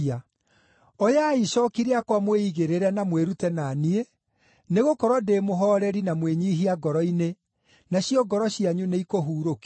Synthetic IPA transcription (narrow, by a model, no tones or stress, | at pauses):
a | ɔjaiʃɔkiɾeakwamweiɣeɾeɾɛnamweɾutɛnanie | neɣokɔɾwɔdemoɦɔːɾɛɾinamweɲiɦiaɡɔɾɔine | naɕiɔɡɔɾɔɕiaɲuneikoɦuːɾoki